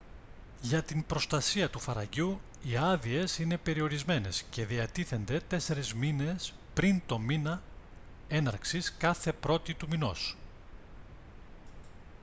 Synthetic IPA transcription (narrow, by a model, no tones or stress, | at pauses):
ʝɐt̪impɾo̞st̪ɐsiɐt̪ufɐɾɐ̰ʝu | iɐðie̞sine̞pe̞ɾio̞ɾizme̞ne̞sce̞ðiɐt̪iθe̞nd̪e̞t̪e̞se̞ɾezmine̞s | pɾint̪o̞minɐ | e̞nɐɾksiskɐθe̞pɾo̞t̪it̪umino̞̰s